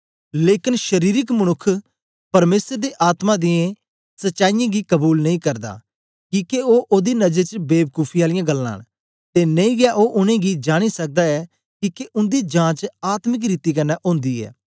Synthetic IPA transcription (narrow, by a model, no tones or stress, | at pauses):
leːkɪnʃəɾiːɾɪkmənʊkʰː | pɐɾmeːsəɾd̪eːʔaːt̪mãːd̪ɪjẽ | sətːʃaːijãːɡiːkəbuːlnɐĩkəɾd̪a̰ː | kiːkeoːʔoːd̪inɐd͡ʒet͡ʃəbeːb̚kuːpʰijaːlɪjãːɡəlːã̰ːn | t̪eːnə̃ĩːɡɪjaːʔoːʔʊnẽːɡid͡ʒaːɽ̃isək̚d̪aːɛː | kiːkeʔʊnd̪iːd͡ʒãːt͡ʃaːt̪mək̬ɾiːt̪iːkɐnːɛːʔõːnd̪iːɛ̰ː